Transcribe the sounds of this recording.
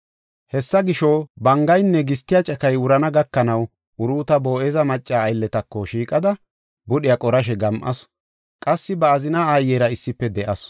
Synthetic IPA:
hɛsːɐɡɪʃobɐŋɡɐjnːɛɡɪs̬t̪ːɪjat͡ʃʼɐkɐjʊɾɐnɐɡɐkːɐnɐw | ʔʊɾuːt̪ɐbo̞ːʔɛzɐmɐt͡ʃʼːaːjlːɛt̪ɐkːɔʃiːkʼɐd̪ɐ | bʊɗɪjɐkʼɔɾɐʃ̬ɛɡɐmʔɐ̰s | kʼɐsːɪbɐːzɪnaːajːɛːɾɐɪsːɪpːɛd̪ɛʔɐs

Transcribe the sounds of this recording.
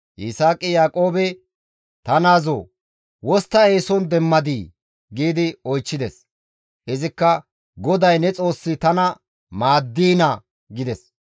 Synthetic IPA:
ʔɪsaːkʼːɪjaːkʼo̞ːbɛ | t̪ɐnaːzoː | wɔst̪ːɐe̞ːsɔnd̪ɛmːɐd̪iː | ɡiːd̪ɪɔjt͡ʃːɪd̪ɛs | hɛzɪkːɐ | ɡɔd̪ɐjnɛt͡sʼo̞ːsːɪt̪ɐnɐ | maːd̪ːiːnɐ | ɡɪd̪ɛs

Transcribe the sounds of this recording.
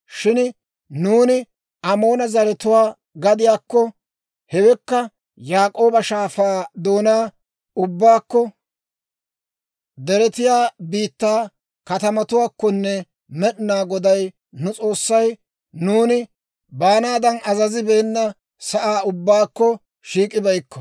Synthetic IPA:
ʃɪn | nuːnɪ | ɐmo̞ːnɐzɐɾɛt̪ʊwaː | ɡɐd̪ɪjaːkːɔ | hɛwɛkːɐ | jaːkʼo̞ːbɐʃaːfaːd̪o̞ːnaː | ʊbːaːkːɔ | d̪ɛɾɛt̪ɪjaːbiːt̪ːaː | kɐt̪ɐmɐt̪ʊwaːkːɔnːɛ | mɛɗɪnaːɡɔd̪ɐj | nʊt͡sʼo̞ːsːɐj | nuːnɪ | baːnaːd̪ɐnɐzɐzɪbeːnːɐ | sɐʔaːʊbːaːkːɔ | ʃiːkʼːɪbɐjkːɔ

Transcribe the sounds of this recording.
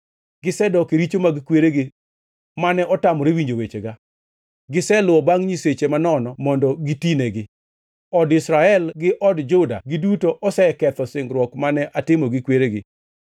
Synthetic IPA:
ɡɪsɛdɔkeɾit͡ʃomaɡɪkweɾeɡɪ | manɛʔɔtamɔɾewiɲd͡ʒowet͡ʃeɡa | ɡɪsɛlʊwɔbaŋɲiset͡ʃemanɔnɔmɔndɔɡitineɡɪ | ɔdɪsɾaɛlɡɪʔɔdd͡ʒʊda̰ɡɪdutoʔɔsɛkɛt̪ɔsɪŋɡɾwɔkmanɛʔatɪmɔɡɪkweɾeɡɪ

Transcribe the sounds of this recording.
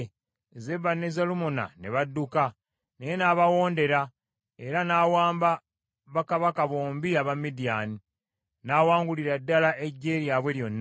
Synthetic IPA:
ze̞βanːezalumona̰ne̞βadːuka | nejenaːβawo̞ːnde̞ɾa | e̞ɾanaːwaːmba | βakaβakaβoːmbiaβamːidijani | naːwaːŋɡuliɾadːalaʔeɟːe̞ːɾjaβwe̞ljo̞nː

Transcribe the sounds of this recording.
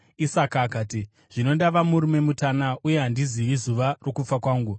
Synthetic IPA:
isakaːkaːti | ʐ̥ino̞ndaʋamuɾume̞mutanauje̞ɦandiziʋizuʋaro̞kup͡fakwaːŋɡu

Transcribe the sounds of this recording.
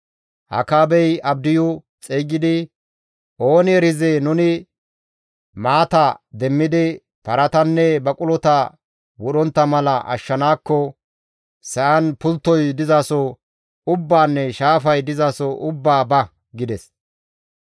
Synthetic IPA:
hɐ̰kaːbɛjɐb̚d̪ɪjʊ | t͡sʼeːɡɪd̪ɪ | ʔo̞ːnɪɛɾɪzenʊnɪ | maːt̪ɐd̪ɛmːɪd̪ɪ | pɐɾɐt̪ɐnːɛbɐkʼʊlɔt̪ɐ | wɔɗɔnt̪ːɐmɐlɐʔɐ̰ʃːɐnaːkːɔ | sɐʔɐnpʊlt̪ːɔjd̪ɪzaːsɔ | ʊbːaːnːɛʃaːfɐjd̪ɪzaːsɔʔʊbːaːbɐ | ɡɪd̪ɛs

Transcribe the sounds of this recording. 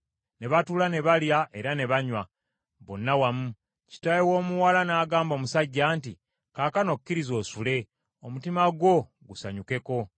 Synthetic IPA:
ne̞βatuːlane̞βaljaʔe̞ɾane̞βaɲwa | βonːawamu | ci̥tajewo̞ːmuwalanaːɡaːmbo̞ːmusaɟːaːnti | kaːkano̞kkːiɾizo̞ːsule̞ | o̞mutimaɡo̞ | ɡusaɲuke̞ko̞

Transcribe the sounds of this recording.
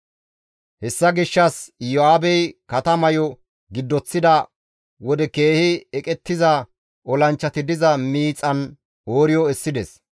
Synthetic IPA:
hɛsːɐɡɪʃːɐsjɔaːbɛjkɐt̪ɐmɐjɔ | ɡɪd̪ːɔt͡sːɪd̪ɐ | wɔd̪ɛke̞ːhɪɛkʼɛt̪ːɪzɐ | ɔlɐnt͡ʃːɐt̪ɪd̪ɪzɐmiːt͡sʼɐn | oːɾɪjɔɛsːɪd̪ɛs

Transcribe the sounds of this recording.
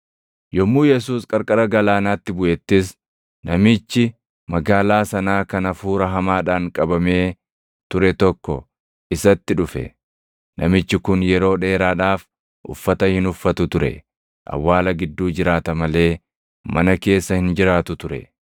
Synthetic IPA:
jɔmːuːjɛs̬uːskʼɐɾkʼɐɾɐɡɐlaːnaːt̪ːɪbʊʔɛt̪ːɪs | nɐmɪt͡ʃːɪ | mɐɡaːlaːsɐnaːkɐnɐfuːɾɐɦɐmaːᶑaːŋkʼɐbɐme̞ː | t̪ʊɾɛt̪ɔkːɔ | ʔɪsɐt̪ːɪᶑʊfɛ̰ | nɐmɪt͡ʃːɪkʊnjɛɾo̞ːᶑe̞ːɾaːᶑaːf | ʔʊ̰fːɐt̪ɐhɪnʊfːɐt̪ʊt̪ʊɾɛ̰ | ʔɐ̰wːaːlɐɡɪd̪ːuːd͡ʒɪɾaːt̪ɐmɐle̞ː | mɐnɐke̞ːsːɐhɪnd͡ʒɪɾaːt̪ʊt̪ʊɾɛ̰

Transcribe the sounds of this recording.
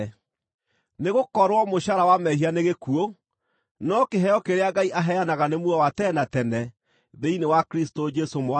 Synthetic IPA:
neɣokɔɾwɔmoɕaɾawamɛɦianeɣekuo | nɔkeɦɛɔkeɾeaɡaiʔaɦɛanaɣanemuɔwatɛnatɛnɛ | ðeinewakɾistod͡ʒɛsomoa

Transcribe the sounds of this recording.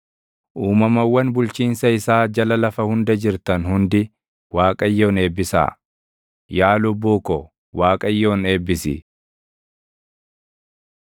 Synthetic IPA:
ʔuːmɐmɐwːɐnbʊlt͡ʃiːnsɐɪsaːd͡ʒɐlɐlɐfɐhʊnd̪ɐd͡ʒɪɾt̪ɐnhʊnd̪ɪ | waːkʼɐjːoːne̞ːbːɪsa̰ː | jaːlʊbːuːkɔ | waːkʼɐjːo̞ːne̞ːbːɪsɪ̰

